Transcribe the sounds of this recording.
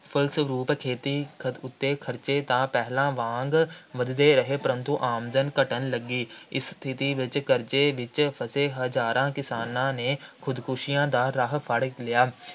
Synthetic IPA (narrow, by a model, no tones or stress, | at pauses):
pʰəlsɾuːpkʰeːt̪iːkʰət̪ʊt̪ːeːkʰəɾt͡ʃeːt̪ãːpɛɦlãːʋãːŋɡʋəd̪d̪eːɾəɦeːpɾə̃nt̪uʔaːmzənkəʈənləɡiːɪ̰st̪ʰɪt̪iːʋɪt͡ʃkəɾt͡ʃeːʋɪt͡ʃpʰəseːɦəd͡ʒaːɾãːkɪsaːnãːneːkʰʊd̪kʊʃɪjãːd̪aːɾəɦpʰəɽlɪjaː